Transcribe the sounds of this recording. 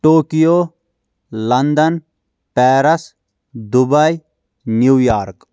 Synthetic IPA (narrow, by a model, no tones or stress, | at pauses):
ʈoːkijoː | lɐnd̪ɐn | pɛːɾɐs | d̪ubaj | njuːjaːɾk